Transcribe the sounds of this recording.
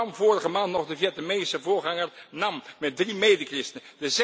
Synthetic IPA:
mvʊːrəχəmaːntnɔχdəvjɛtnəmejnsəvʊːɹχɑŋəɹnɑmmɛt̚drimejdəkrɪstəndəz

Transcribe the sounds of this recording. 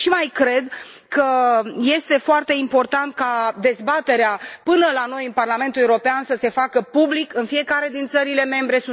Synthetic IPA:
ʃimajkɾe̞d̪kəje̞st̪e̞foart̪e̞impo̞rt̪ant̪̚kad̪e̞zbat̪e̞ɾeapɨnəlano̞jɨnparlame̞nt̪ulewɾo̞peansəse̞fakəpublikɨnfije̞kaɾe̞d̪int̪səɾile̞me̞mbɾe̞su

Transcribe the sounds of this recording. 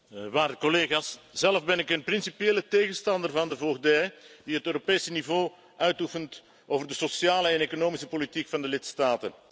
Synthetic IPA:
ʋaːrdəkɔleːɣaːsz̥ɛləfbɛnɪkənprinsipjeːləteːɣənstɑndərvɑndəvoɣdɛjd̥iɦətøːɾopeːsənivoː | ʔœɥtufənt | ʔoːvərdəsosjaːləɛneːkonoːmisəpolitikfɑndəlɪtstaːtən

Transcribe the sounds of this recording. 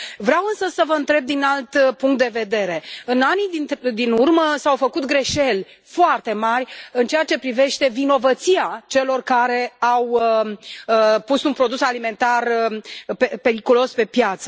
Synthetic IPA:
vɾeawɨnsəsəvəɨnt̪ɾe̞b̚d̪inalt̪puŋkt̪̚d̪e̞ve̞d̪e̞ɾe̞ɨnanid̪inurməsawfəkut̪ɡɾe̞ʃe̞lʲ | foart̪e̞marʲɨnt͡ʃeat͡ʃe̞pɾive̞ʃt̪e̞vino̞vət̪siat͡ʃe̞lo̞rkaɾe̞awə | pusunpɾo̞d̪usalime̞nt̪arpepe̞ɾikulo̞spe̞pjat̪sə

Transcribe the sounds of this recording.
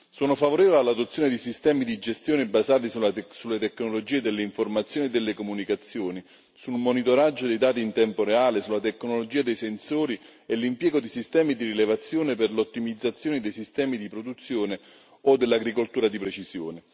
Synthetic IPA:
soːnofavoɾeːvolealːad̪ot̪sːjoːned̪isist̪ɛːmid̪id͡ʒest̪joːnebazaːt̪̬isusulːet̪ekːnolod͡ʒiːed̪elːeiɱformat̪sːjoːned̪elːekomunikat̪sːjoːni | sulmonit̪oɾad͡ʒːod̪ejd̪aːt̪̬iːnt̪ɛmpoɾeaːlesulːat̪ekːnolod͡ʒiːad̪ejsensoːɾielːimpjɛːɡod̪isist̪ɛːmid̪irilevat̪sːjoːnepɪrlot̪ːimid̪zːat̪sːjoːned̪ejsist̪ɛːmid̪ipɾod̪ut̪sːjoːne | od̪ːelːaɡɾikolt̪uːɾad̪ipɾet͡ʃizjoːne

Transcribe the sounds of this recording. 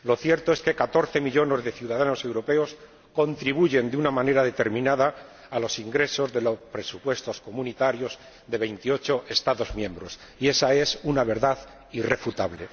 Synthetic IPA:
lo̞θje̞ɾt̪o̞e̞ske̞kat̪o̞ɾθe̞miʎo̞ne̞zðe̞θjuðaðano̞se̞wɾo̞pe̞os | ko̞nt̪ɾiβuʝe̞nd̪unamãne̞ɾaðe̞t̪e̞ɾmĩnaðaː | lo̞siŋɡɾe̞so̞zðe̞lospɾe̞supwe̞st̪o̞sko̞mũnit̪aɾjo̞z | ðe̞β̞e̞jnt̪io̞t͡ʃo̞ʔe̞st̪aðo̞zmjẽ̞mbɾo̞sie̞sae̞sunaβe̞ɾðað | ire̞fut̪aβle̞

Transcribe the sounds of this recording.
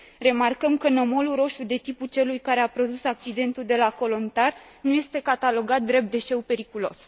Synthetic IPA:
re̞markəmkənomo̞luɾo̞ʃud̪e̞t̪iput͡ʃe̞lujkaɾe̞apɾo̞d̪usak̚t͡ʃid̪e̞nt̪uld̪e̞lako̞lo̞nt̪arnuje̞st̪e̞kat̪alo̞ɡat̪̚d̪ɾe̞p̚t̪̚d̪e̞ʃe̞wpe̞ɾikulo̞̰s

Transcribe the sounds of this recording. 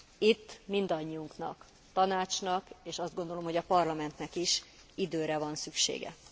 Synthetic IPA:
it̪ːmind̪ɒɲːiuŋknɒ̰k | t̪ɒnaːt͡ʃnɒkeːʃɒzd̪ɡo̞nd̪o̞lomho̞ɟɒpɒrlɒmɛnt̪nɛkiʃ | id̪øːɾɛvɒnsykʃḛːɡɛ̰

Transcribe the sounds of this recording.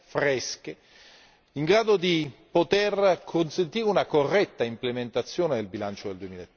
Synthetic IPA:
fɾɛske | iŋɡɾaːd̪od̪ipot̪erkʰonsent̪iːɾeunakorːɛt̪ːaimplement̪at̪sːjoːned̪elbilant͡ʃod̪eld̪uemiːlaet̪ː

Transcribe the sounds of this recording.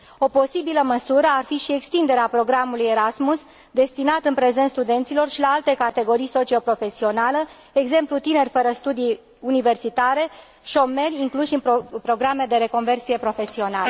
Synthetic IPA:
o̞po̞sibiləməsuɾəarfiʃie̞kst̪ind̪e̞ɾeapɾo̞ɡɾamuluje̞ɾasmus | d̪e̞st̪inat̪ɨnpɾe̞ze̞nt̪st̪ud̪e̞nt̪silo̞rʃilaalt̪e̞kat̪e̞ɡo̞ɾijso̞t͡ʃio̞pɾo̞fe̞sio̞nale | eɡze̞mplut̪ine̞rʲfəɾəst̪ud̪ij | unive̞rsit̪aɾe̞ | ʃo̞me̞rʲiŋkluʃɨnpɾo̞ɡɾame̞d̪e̞ɾe̞ko̞nve̞rsije̞pɾo̞fe̞sio̞nalə

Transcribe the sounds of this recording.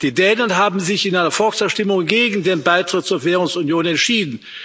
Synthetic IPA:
d̥iːdɛːnɐnɦaːbm̩zɪçɪnʔaɪnɐfɔlksɛɐʃtɪmʊŋɡeːɡŋ̩deːnbaɪtʁ̥ɪt̚t͡suːɐveːʁʊŋsunjoːnɛntʃiːdn̩

